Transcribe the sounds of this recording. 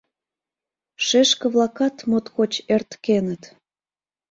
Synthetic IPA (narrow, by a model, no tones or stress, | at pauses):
ʃeʃkə̆βlˠɑkɑt̪mot̪kot͡ɕert̪kenət̪